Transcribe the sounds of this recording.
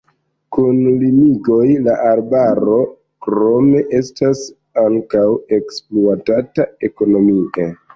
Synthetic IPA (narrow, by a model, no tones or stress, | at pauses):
kunlimiɡo̞jlaʔaɾbaɾo̞ | kɾo̞me̞ʔe̞stas | aŋkawe̞kspluatatae̞ko̞no̞mie